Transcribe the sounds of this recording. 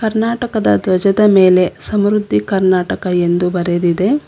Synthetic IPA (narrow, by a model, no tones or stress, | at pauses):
kɐɾnaːʈɐkɐd̪ɐ̰d̪ʋɐd͡ʒɐd̪ɐme̞ːle̞sɐmɾud̪ʱːikɐɾnaːʈɐkɐe̞nd̪ubɐɾed̪id̪e̞